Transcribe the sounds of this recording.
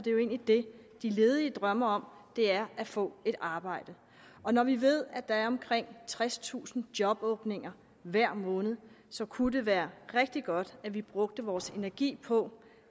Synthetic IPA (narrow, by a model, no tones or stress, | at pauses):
d̥e̝jo̝e̝ːnlid̥e̝ | d̥ile̝ːðˠiəd̥ʁɶmɐɒ̽md̥e̝æɐʔæfɔ̰̽ːe̝ɾ̥ɑ̈ːb̥ɑ̈ɪ̰d̥ə | ɒ̽nɒʋiʋe̝ð̞̰ˠæd̥ɑ̈æɐɒ̽mkʰʁeŋ̰t͡sʰʁɛst͡sʰṵːsn̩d̥jɒ̽b̥ɔ̽ːb̥ne̝ŋɐ | ʋæɐ̰mɔ̽ːnð̩ˠ | sɒ̽kʰud̥eʋæːɐʁeɡ̥̚d̥iɡ̥ɒ̽d̥æʋib̥ʁɔ̽ɡ̥̚d̥əʋɒːse̝næɐɡ̥ḭːpʰɒ̽